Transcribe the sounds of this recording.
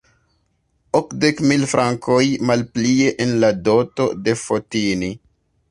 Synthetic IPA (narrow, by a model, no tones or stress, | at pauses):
okde̞kmilfɾʔaŋkojmalplie̞ʔenlado̞to̞̰de̞fotini